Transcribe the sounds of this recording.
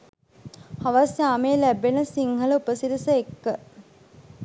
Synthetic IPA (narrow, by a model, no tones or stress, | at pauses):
haʋasjaːmejːlæbenəsiŋhələupəsiɾisəekːə